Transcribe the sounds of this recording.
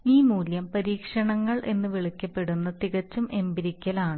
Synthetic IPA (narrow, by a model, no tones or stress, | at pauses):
iːmuːljɐmpɐɾiːkʂɐɳɐŋːɐɭʔe̞̰nːɨʋiɭikʲːɐpːe̞ɽunːɐt̪iɣɐt͡ɕːumʔe̞mbiɾikʲːɐlaːɳɨ